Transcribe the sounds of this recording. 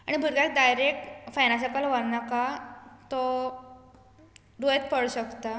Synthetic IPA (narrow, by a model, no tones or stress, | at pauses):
aɽ̃ibʱuɾɡ̪ak̚d̪ajɾekfajnasakalʋaɽnakat̪ɔ | dojet̪pəɽɕəkt̪a